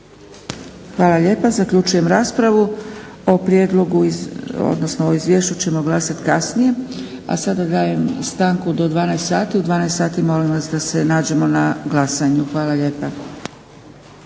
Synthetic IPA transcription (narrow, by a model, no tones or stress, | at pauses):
xʋaːlˠaʎe̞ːpazakʎut͡ʃuje̞mɾaːspɾaʋu | o̞pɾje̞d̪lˠo̞ɡuo̰d̪no̞snooizʋjeːʃt͡ʃut͡ɕe̞mo̞ɡlˠasat̪kasnije̞ | a̰sad̪ad̪aːje̞mst̪aːŋkud̪o̞d̪ʋaːnajest̪saːt̪iud̪vʋaːnajst̪aːt̪imo̞limʋasd̪ase̞naːd͡ʑe̞mo̞naɡlˠasaɲuxʋaːlaʎeːpa